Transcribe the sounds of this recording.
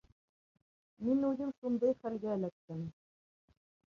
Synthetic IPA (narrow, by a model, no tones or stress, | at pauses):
minʉðɘmʃund̪ɤjχælɡæːlæk̚t̪ɘm